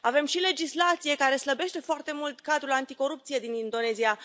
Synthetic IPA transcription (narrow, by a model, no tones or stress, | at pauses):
ave̞mʃile̞d͡ʒislat̪sije̞kaɾe̞sləbe̞ʃt̪e̞foart̪e̞mult̪kad̪ɾulant̪iko̞ɾup̚t̪sije̞d̪inind̪o̞ne̞zia